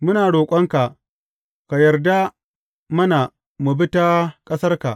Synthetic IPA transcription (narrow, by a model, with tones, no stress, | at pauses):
mʊ˦naː˨ɽoː˨kʷʼɐ˦ŋka˨ʔ | ka˨jɐ˨rda˦ | mɐ˦na˨ | mu˨bɪ˦ta˦kʼɐ˦sɐ˦rka˨ʔ